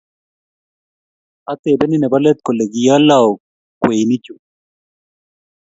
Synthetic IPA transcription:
ʔɐ˦t̪ːeːbɛ˦nɪnɛ˨bɐ˦lɛ˦t̪̚kɔ˨le˨ɡija˦lːa˨ | kwe˨nɪ˦t͡ʃːu˨

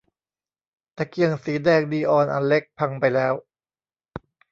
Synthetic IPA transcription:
t̪ɛː˧˩ki˧əŋsiː˩˦dɛː˧˩ŋ̚diː˧ʔɔː˧nʔa̰˧nle˦˥k̚pʰa˧ŋpa˧jlɛː˦˥w

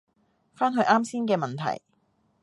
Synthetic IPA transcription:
faː˥nɦɵ˧ɥʔaː˥msiː˥nkɛː˧mɐ˨nt̪ʰɐ̰˨˩j

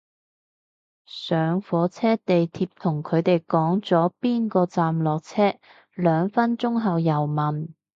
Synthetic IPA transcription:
sœː˨˧ŋfɔː˨˥t͡sʰɛː˥t̪e˨jt̪ʰiː˧p̚t̪ʰʊ˨˩ŋkʰɵ˨˧ɥt̪e˨jkɔː˨˥ŋt͡sɔː˨˥piː˥nkɔː˧t͡saː˨mlɔː˨k̚t͡sʰɛː˥ | lœː˨˧ŋfɐ˥nt͡sʊ˥ŋɦɐ˨wjɐ˨˩wmɐ˨˩n

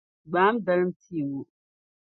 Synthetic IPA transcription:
ɡ͡baː˨˦m˦da˨lɨ˦m˦tʰi˦˨wu˨

